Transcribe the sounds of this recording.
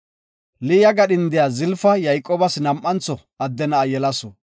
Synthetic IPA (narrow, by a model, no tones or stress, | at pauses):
lɪjɐɡɐɗɪnd̪ɪjazɪlfɐjɐjkʼːoːbɐsnɐmʔːɐnt͡sɔ | ɐd̪ːɛnɐːjɛlɐsɔ